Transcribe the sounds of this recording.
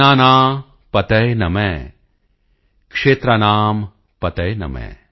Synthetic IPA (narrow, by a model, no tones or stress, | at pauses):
aːnaː | pɐt̪ɐjnɐmeː | kʂeːt̪ɾɐnaːm | pɐt̪ɐjnɐ̰mɛ̰̃ː